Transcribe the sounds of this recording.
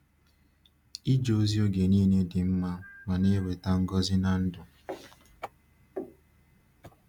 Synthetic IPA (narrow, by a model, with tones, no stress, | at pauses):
i˦d͡ʒo˦zi˦o˦ɡe˨niː˦ne˦dɪ˨m̩˦ma˦ma˨ne˦we˨ta˦ŋ̩˦ɡɔ˦zɪ˦na˨n̩˦dʊ˨